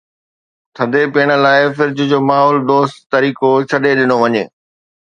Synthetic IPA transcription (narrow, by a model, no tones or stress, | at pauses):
t̪ʰɐd̪ʱepeːɽ̃ə̆laːɪfɪɾɪd͡ʑʊd͡ʑoːmaːɦɔːld̪oːst̪t̪ɐɾiːkot͡ɕʰɐɗeɗɪnoʋɐɲḛː